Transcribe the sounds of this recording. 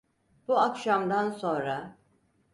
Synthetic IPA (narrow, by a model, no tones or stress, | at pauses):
b̥uakʃamd̪anso̞nɾa